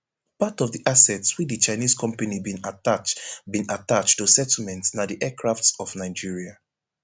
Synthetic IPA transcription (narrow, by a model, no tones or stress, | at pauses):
patɔvðiʔasɛtswidit͡ʃaɪniskʰɔ̃mpanibĩnaat͡ʃbĩnatat͡ʃtusɛtl̩mɛ̃ntsnadiʔɛkʰɹaftsɔvnaɪd͡ʒiɹia